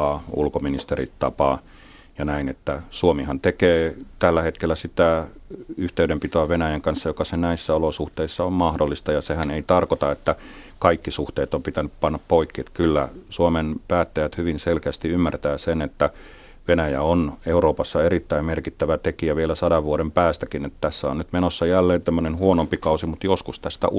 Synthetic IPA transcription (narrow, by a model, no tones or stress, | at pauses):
ɑṵlkominist̪erḭt̪ːɑpɑ | jɑnæinet̪ːæsuomihɑnt̪ekeːt̪ælːæhet̪kelːæsit̪æ | yht̪eyɾempit̪oæʋenæjæŋkɑnsːɑjokɑsenæisːæolosuht̪eisːɑommɑhdolːist̪ɑjɑsehæneit̪ɑrkot̪ɑet̪ːæ | kɑikːisuht̪eːt̪ompit̪ænyppɑnːɑppoikːiet̪kylːæ̰suomenpæːt̪ːæjæt̪hyʋinselkeæst̪iymːært̪æːsenet̪ːæ | ʋenæjæ̰oneuɾoːpɑsːɑeɾit̪ːæimmerkit̪ːæʋæt̪ekiæʋielæsɑdɑʋʋuoɾempæːst̪ækinet̪t̪æsːæonnyt̪menosːɑjælːeːnt̪æmːønenhuonompikɑusimut̪joskust̪æst̪æ̰